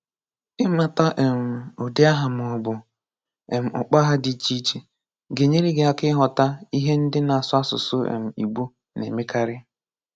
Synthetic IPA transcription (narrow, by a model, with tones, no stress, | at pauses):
ɪ˦m˦a˨ta˦ʔe˨m̩˨ʊ˨dɪ˦a˦ɦa˨m˨bʊ˨ | e˨m̩˨ʊ̰˨k͡pa˦ɦa˦di˨˦t͡ʃi˦t͡ʃe˨ | ɡe˨ɲe˦ɾi˦ɡe˨a˨kɪ˦ɦɔ˨ta˦i˦ɦe˦n̩˦dɪ˦na˨a˨sʊ˦a˦sʊ̰˨sʊ˦ḛ˨m̩˨ḭ˨ɡ͡bu˦ | nḛ˨me˦ka˦ɾɪ˦